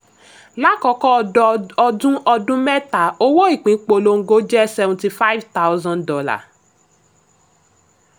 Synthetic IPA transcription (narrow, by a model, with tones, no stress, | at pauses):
la˦kɔ˧˦kɔ˦ɔ˧dũ˦ɔ˧dũ˦mɛ˦ta˨o˦wo˦i˦˨k͡pĩ˨˦k͡po˧lo˧ŋ̩˨ɡo˦d͡ʒɛ˦sɛ˧vɔ̃˧ti˧fa˦i˦vta˦wzɔ̃˦ndɔ˧la̰˨